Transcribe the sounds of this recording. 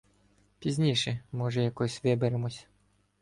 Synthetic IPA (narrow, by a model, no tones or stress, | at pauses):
pʲizʲnʲiʃɛmɔʒɛjɐkɔsʲʋɪbeɾemɔsʲɐ̥